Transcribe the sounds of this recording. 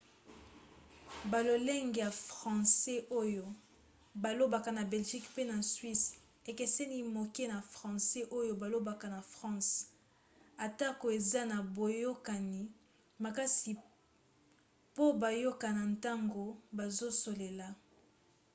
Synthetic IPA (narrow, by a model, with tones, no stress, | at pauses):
ba˨lo˨lɛ˦ŋɡe˨ja˨fʁɑ̃˨sɛ˦ʔo˦jo˦ | ba˨lo˦ba˨ka˨na˨bɛ˨lʒi˦kpe˦na˨sɥi˦s | e˨ke˨sɛ˦ni˦mo˨ke˦na˨fʁɑ̃˨sɛ˦ʔo˦jo˦ba˨lo˦ba˨ka˨na˨fʁɑ̃˦s | a˨ta˦ko˨e˨za˦na˨bo˨jo˦ka˨ni˨ | ma˨ka˦si˨ | po˦ba˨jo˦ka˨na˨nta˦ŋɡo˨ba˨zo˦so˨le˨la˨